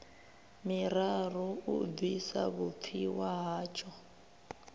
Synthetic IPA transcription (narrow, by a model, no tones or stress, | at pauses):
miraruubisa̰βup̪fʰiwaɦaːt͡ʃʰʼɔ